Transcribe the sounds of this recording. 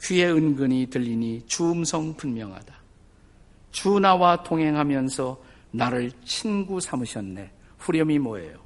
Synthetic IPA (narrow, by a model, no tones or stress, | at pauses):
kɥie̞ɯnɡɯɲitɯʎːinit͡ɕuːmsʰʌŋpunmjʌŋɦa̰da | t͡ɕunawatʰoŋɦe̞ŋɦamjʌnsʰʌ | naɾɯɭt͡ɕʰinɡusʰamɯɕʰʌnːe̞ | ɸuɾjʌmimoḛjo